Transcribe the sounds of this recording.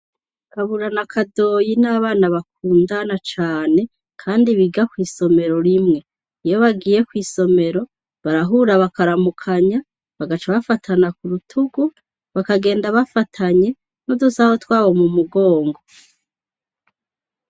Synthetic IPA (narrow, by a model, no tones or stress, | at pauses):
kaβuɾanakʰado̞jinaːβaːnaβak̚uːndanat͡ʃaːne̞ | kʰaːndiβiɡakwiːso̞me̞ɾo̞ɾimŋe̞ | ijoβaɡiːje̞kwiːso̞me̞ɾo̞ | βaɾaɦuːɾaβakaɾamukʰaɲa | βaɡat͡ʃaβafatʰanakuɾutʰuɡu | βakaɡe̞ːndaβafatʰaɲe̞ | nudusaho̞twaːβo̞mumuɡo̞ːŋɡo̞